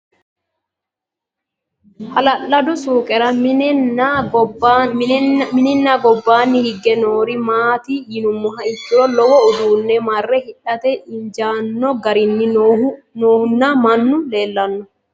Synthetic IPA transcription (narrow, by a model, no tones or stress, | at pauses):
hɐlɐlːɐd̪ʊsuːkʼɛɾɐ | mɪnɪnːaɡɔbːaːnːɪhɪɡːɛnoːɾɪmaːt̪ijɪnʊmːɔɦɐɪt̪ːɪɾɔlɔwɔʊd̪uːnːɛmɐrːɛhɪᶑɐt̪ɛʔɪɲd͡ʒaːnːɔɡɐɾɪnːɪ | noːhʊnːamɐnːʊle̞ːlːɐnːɔ